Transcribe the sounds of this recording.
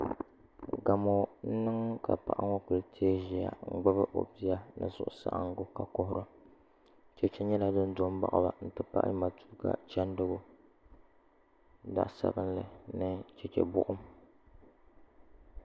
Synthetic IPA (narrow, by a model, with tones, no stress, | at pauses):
ɡa˨mo˨n̩˦nɨ˦ŋka̰˨pa˨ʔa˦ŋo˦ku˨ltʰeː˦ʒi˨˦a̰˨ŋ̩˦˨ɡ͡ba˦bɨ˦ʔo̰˨pi˦ja˦nɨ̰˨zʊ̰˨ʔʊ̰˨sa̰˦ʔa̰˦ŋ˦ɡʊ˦ka˨kɔ˦ɦʊ˦ɾɨ˦ | t͡ʃɛ˦t͡ʃɛ˦ɲɛ˦la˦dɨ˦n˦do˦m˦ba̰˦ʔa˨ba̰˨n̩˦tɨ˦pa̰˦ʔma˨tu̥˦ka̰˨t͡ʃa˦n˦dɨ˦ɡʊ˦ | da̰˨ʔsa̰˦˨bɨ˦n˦lɨ˨nɨ˦t͡ʃɛ˨t͡ʃɛ̰˨bʊ˦ʔʊ˦m